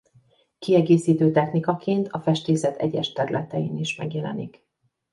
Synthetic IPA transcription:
kiɛɡeːsiːt̪øːt̪ɛxnikɒkeːnt̪ʰɒfɛʃt̪eːsɛt̪ɛ̰ɟɛʃt̪ɛɾylʔɛt̪ɛjiːniʃmɛɡjɛlɛ̰nik

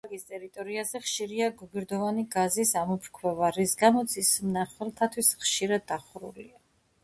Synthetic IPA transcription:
aɾɡist̪ʼɛɾit̪ʼɔɾiazɛχʃiɾiaɡuɡiɾd̪ɔvaniɡazisamɔpʰɾkʰwɛvaɾisɡamɔt̪sʰismnaχwɛlˠt̪ʰat̪ʰwisχʃiɾad̪ːaχɾṵlia

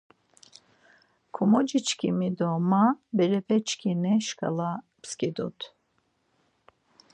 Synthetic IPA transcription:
kʰɔmɔd͡ʒit͡ʃkʰimid̪ɔmabɛɾɛpʰɛt͡ʃʰkʰinɛʃkʰa̰la | pskid̪ɔt̪ʰ

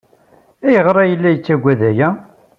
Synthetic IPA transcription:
æjəʁɾˤɑjəlːæjət͡sːæɡʷːæðæjæ

